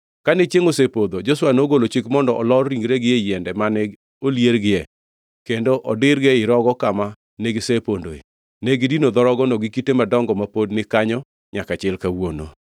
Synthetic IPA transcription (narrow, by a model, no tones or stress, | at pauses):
kanɛt͡ʃeŋosepod̪od͡ʒoswanoɡolot͡ʃikmɔndɔʔɔlɔrːiŋɾeɡɪejɛndɛmanɛ | oljeɾɡɪjɛ | kendoʔɔdɪɾɡeɪɾɔɡɔkama | neɡɪsepondoḛ | neɡɪdinod̪ɔɾɔɡɔnɔɡɪkitemadɔŋɡɔmapodnɪkaɲɔ | ɲakat͡ʃɪlkawono̰